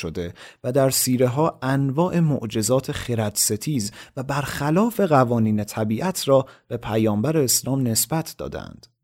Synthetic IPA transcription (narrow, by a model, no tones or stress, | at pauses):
ʃod̪e̞væd̪æɾsiːɾe̞ɦɒːʔænvɒːʔe̞mo̰ʔd͡ʒe̞zɒːt̪ʰe̞χeɾæd̪̥se̞t̪ʰiːzvæbæɾxælɒːfe̞ɣævɒːniːne̞t̪ʰæbiːʔæt̪ʰɾɒːb̥e̞pʰæjɒːmbæɾeːslɒːmne̞sbæt̪ʰd̪̥ɒ̰ːd̪æ̰nd̪̥